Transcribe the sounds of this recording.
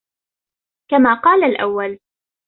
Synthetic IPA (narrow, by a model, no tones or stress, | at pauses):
kamaːqɑːlalʔa̰wːal